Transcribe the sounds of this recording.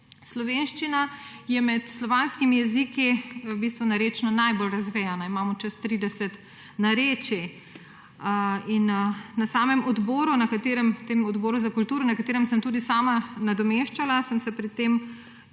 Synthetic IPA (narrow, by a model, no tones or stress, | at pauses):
slɔʋenʃt͡ʃinajɛmɛt̪slɔʋaːnskimijɛziːkibiːst̪ʋɔnaɾeːt͡ʃnɔnajbolɾɐzʋɛːjanaimaːmɔt͡ʃɛst̪ɾiːd̪ɛsɛt̪ | naɾeːt͡ʃi | inːasaːmɛmɔd̪bɔːɾunakat̪eːɾɛmt̪eːmɔd̪bɔːɾuzakult̪uːɾɔnɐkat̪eːɾɛmsəmt̪uːd̪isaːmanad̪ɔmeʃt͡ʃalasəmsɛpɾɛt̪ːeːm